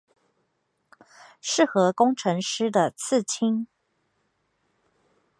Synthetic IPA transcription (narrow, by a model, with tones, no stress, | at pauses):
ʂɻ̩˥˩xɤ˧˥kʊ˥ŋʈ͡ʂʰɤ˧˥ŋʂɻ̩˥d̪ə˨t͡s̩ʰ˥˨t͡ɕʰi˥ŋ